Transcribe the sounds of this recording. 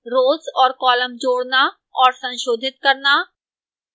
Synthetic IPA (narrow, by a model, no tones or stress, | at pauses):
ɾoːzɔːɾkɔːləmd͡ʒoːɽna | ɔːɾsɐ̃nʃoːd̪ʱɪt̪̚kɐɾna